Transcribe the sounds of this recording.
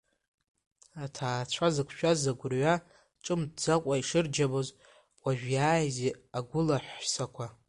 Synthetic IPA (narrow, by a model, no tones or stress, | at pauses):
atʰaːt͡ɕʷʰazɨkʷʰʃᶣazaɡʷʊrɥa | ʈ͡ʂʼɨmdd͡zakʷʼaiʂɨrd͡ʒaboz | kʷʼaʒᶣjaːjzeaɡʷʊlaħʷsakʷʰa